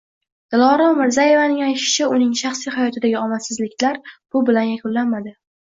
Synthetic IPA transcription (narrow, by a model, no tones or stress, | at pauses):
d̪̥ɪlˠɒɾɒmɪɾzaje̞vanɪŋajt̪ʃɪ̥t͡ʃʰaʊnɪŋʃaχsijhajɒt̪ʰɪd̪aɡʲɪɒmasɪzlɪkʲlaɾb̥ʊbɪlanjakʰʲʊllːanmad̪ɪ